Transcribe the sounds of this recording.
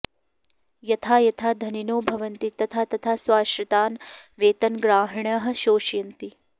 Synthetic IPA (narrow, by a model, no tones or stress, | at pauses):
jɐt̪ʰaːjɐt̪ʰaːd̪ʱɐninoːbʱɐʋɐnt̪it̪ɐt̪ʰaːt̪ɐt̪ʰaːsʋaːʃɾɐt̪aːnʋeːt̪ɐnɡɾaːɦɐɳɐɦɐ̆ʃoːʃjɐnt̪i